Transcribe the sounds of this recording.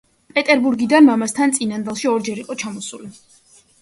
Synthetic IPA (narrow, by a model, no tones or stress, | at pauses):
pʼɛt̪ʼɛɾbuɾɡid̪anmamast̪ʰant̪sʼinand̪ɛlˠʃiɔɾd͡ʒɛɾiqʼɔt͡ʃʰamɔsuli